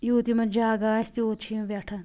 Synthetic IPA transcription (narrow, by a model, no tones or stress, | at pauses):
juːt̪imɐnd͡ʒaːɡaːst̪ioːt͡ʃʰiɐʋʲɐʈʰɐn